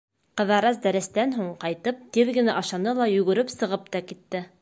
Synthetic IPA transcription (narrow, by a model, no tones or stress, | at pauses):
qɤ̆ðɑɾɑsd̪æɾɘ̆st̪ænɦuɴqɑjt̪ɤp̚t̪iðɡɘ̆næʔɑʃɑnɤlˠɑjɵ̆ɡɵ̆ɾɘpsɤ̆ʁɤp̚t̪ɑkit̪ːɘ